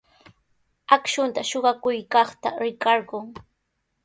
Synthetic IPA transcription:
akʃʊnt̪aʃoɢɑkʊjkɑχt̪a̰ɾɪkɑɾɢʊŋ

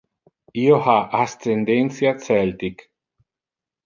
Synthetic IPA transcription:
iohaʔast̪end̪ensjat̪sɛlt̪ik

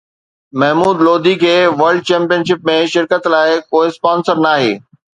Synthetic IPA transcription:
mɐɦmuːd̪loːd̪ʱikʰeːʋɐɾɖ̚t͡ɕɛ̃ːmpijənʃ̬ɪp̚mẽʃɪɾkət̪laːɪkoːɪspãːnsəɾnaːɦḛː

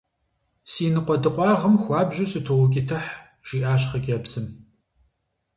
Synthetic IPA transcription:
siːnɨqʷʼɔdɨqʷʼɑːʁəmxʷɑːbʒɪsɨtʰowʊkʲʼɪtʰɐħ | ʒ̥iːʔaːɕ̬χɐkʲʼɐbz̥ɨm

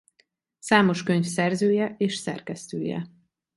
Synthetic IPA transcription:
saːmo̞ʃkøɲfsɛrzøːjɛʔeːʃsɛ̰rkɛst̪ø̰ːjɛ̰

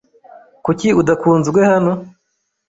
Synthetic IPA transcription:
kuciudakʰuːnzɡwe̞hano̞

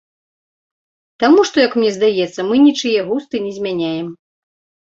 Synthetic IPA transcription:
t̪amuʂt̪ɔjɐkmnʲɛzd̪ajɛt̪sːɐmɨnʲit͡ʂɨjɛɣust̪ɨnʲɛzʲmʲanʲajɛm

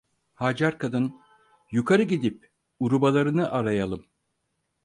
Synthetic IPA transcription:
had͡ʒaɾkʰad̪ɯn | jukʰaɾɯɟid̪ip̚ | uɾubalˠaɾɯnɯʔaɾajalˠɯm

